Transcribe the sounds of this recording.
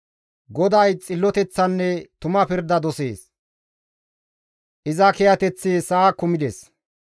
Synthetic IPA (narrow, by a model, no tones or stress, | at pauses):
ɡɔd̪ɐjt͡sʼɪlːɔt̪ɛt͡sːɐnːɛt̪ʊmɐpɪɾd̪ːɐd̪ɔse̞ːs | ʔɪzɐkɛjɐt̪ɛt͡sːesɐːkʊmɪd̪es